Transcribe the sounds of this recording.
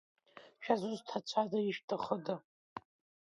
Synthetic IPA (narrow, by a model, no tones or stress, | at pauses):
ʃᶣazʷuztʰat͡ʃʷʰadaiʃtʰaχəda